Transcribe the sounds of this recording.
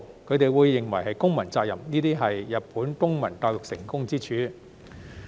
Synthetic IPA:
kʰɵ˧ɥt̪e˨jwuː˨˧jːɪ˨˩ŋwɐ˨˩jɦɐ˨jkʊ˥ŋmɐ˨˩nt͡saː˧k̚jɐ˨˩mniː˥t̪iː˥ɦɐ˨jːɐ˨t̚puː˨˥nkʊ˥ŋmɐ˨˩nt̪aː˧jlʊ˨k̚sɪ̰˨˩ŋkʊ˥ŋt͡siː˥t͡ʃʰyː˨˥

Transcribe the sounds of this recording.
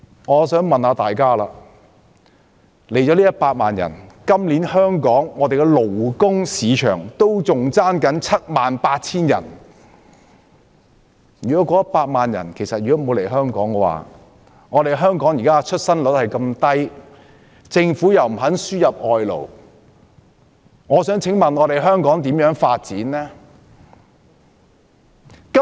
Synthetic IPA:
ŋɔː˨˧sœː˨˥ŋmɐ˨nhaː˨˧t̪aː˨jkaː˥laː˧ | le˨˩jt͡ʃɔː˨˥liː˥jɐ˥t̚paː˧t̚maː˨njɐ̰˨˩nkɐ˥mliː˨˥nhœː˥ŋkɔː˨˥ŋːɔː˨˧t̪e˨jkɛ˧lo˨˩wkʊ˥ŋsiː˨˧t͡ʃʰœ̰ː˨˩ŋt̪o˥wt͡sʊ˨ŋt͡saː˥nkɐ˨˥nt͡sʰɐ˥t̚maː˨npaː˧t̚t͡sʰiː˥njɐ̰˨˩n | jyː˨˩kɔ˨˦˥kɔː˨˥jɐ˥paː˧t̚maː˨njɐ̰˨˩nkʰe˨˩jsɐ˨t̚jyː˨˩ɔ˥mo˨˧wle˨˩jɦœː˥ŋkɔː˨˥ŋɡɛ˧wa̰ː˨ | ŋɔː˨˧ɾe˨jɦœː˥ŋkɔː˨˥ŋjiː˨˩kaː˥˨t͡ʃʰɵ˥t̚sɐ˥nlɵ˨˥t̚hɐ˨jkɐ˧mt̪ɐ˥j | t͡sɪ˧ŋfuː˨˥jɐ˨˩wm̩˨˩ɦɐ˨˥nsyː˥jɐ˨p̚ʔɔː˧jlo̰˨˩w | ŋɔː˨˧sœː˨˥ŋt͡sʰɪ˨˥ŋmɐ˨nɔː˨˧ɾe˨jɦœː˥ŋkɔː˨˥ŋt̪iː˨˥mjœː˨˥ŋfaː˧t̚t͡siː˨˥nlɛː˥ | kɐ˥

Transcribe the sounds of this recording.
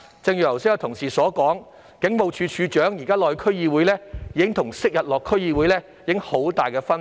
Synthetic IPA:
t͡sɪ˧ŋjyː˨˩jɐ˨˩wsɪ˥jɐ˧t̪ʰʊ˨˩ŋsiː˨sɔː˨˥kɔː˨˥ŋ | kɪ˨˥ŋmo˨˧wt͡ʃʰyː˨˧t͡ʃʰyː˨˧t͡ʃœː˨˥ŋjiː˨˩kaː˥lɔː˧jkʰɵ˥ɥjiː˧wuː˨˥jlɛː˥jiː˨˧˥ɪ˥ŋt̪ʰʊ˨˩ŋsɪ˥k̚jɐ˨t̚lɔː˨kʰːɵ˥ɥjiː˧wu˨˥jlɛː˥ | jiː˨˥ɪ˥ŋho˨˥wt̪aː˨jkɛː˧fɐ˥n

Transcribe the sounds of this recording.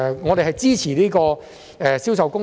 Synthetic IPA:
ŋɔː˨˧t̪e˨ɦɐ˨jt͡siː˥t͡sʰiː˨˩niː˥kɔː˧ | ɛː˨si˥wsɐ˨wkʊ˥

